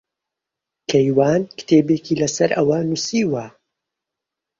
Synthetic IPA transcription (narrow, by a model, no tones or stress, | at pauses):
kʰɐjwaːnkɨ̥t̪ʰeːbeːkiːlɐsɐɾʔɐwɐnusiːwɐ